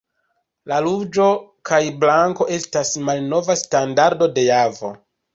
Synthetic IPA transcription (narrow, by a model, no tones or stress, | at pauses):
lalud͡ʒo̞kajblaŋko̞ʔe̞stasmalno̞vastandaɾdo̞de̞javo̞̰